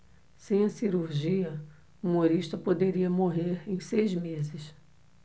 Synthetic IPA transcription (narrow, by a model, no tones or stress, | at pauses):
sẽj̃ɐsiɾuɾʒiɐ | umoɾiʃt̪ɐpod̪eɾiɐmoɦeɾẽj̃sejzmezɪs